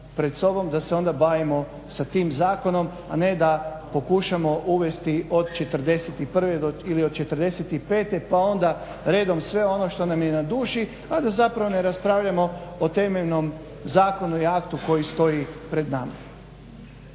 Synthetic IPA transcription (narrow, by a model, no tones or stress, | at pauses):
pɾe̞t̪so̞bo̞md̪aseo̞nd̪abaːʋimo̞ | sat̪iːmzaːko̞no̞m | ane̞d̪apo̞kuʃamo̞ʔuʋe̞st̪io̞d̪t͡ʃe̞t̪ər̩d̪e̞set̪ipr̩ʋed̪oiliod̪̚t͡ʃe̞t̪r̩d̪e̞set̪ipe̞ːt̪e̞pao̞nd̪a | ɾe̞ːd̪o̞msʋe̞o̞no̞ʃt̪o̞namjenad̪uːʃi | ad̪azapɾaʋo̞neɾaspɾaːʋʎamo̞ot̪e̞meʎno̞m | zaːko̞nuiakt̪uko̞jist̪o̞jipɾe̞d̪nama